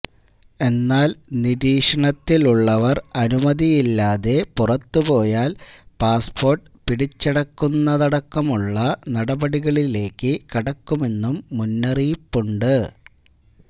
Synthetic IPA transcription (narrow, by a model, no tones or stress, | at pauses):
e̞nːaːlniðiːʂɐɳɐt̪ːiluɭːɐʋɐrɐnumɐðijilːaːðe̞purɐt̪ːupo̞ːjaːlpaːspo̞ːrʈ | piɽit͡ɕːɐɽɐkːunːɐðɐɽɐkːɐmuɭːɐnɐɽɐbɐɽiɣɐɭile̞ːkːɨkiɽɐkːume̞nːumːunːɐrijipːuɳɖɨ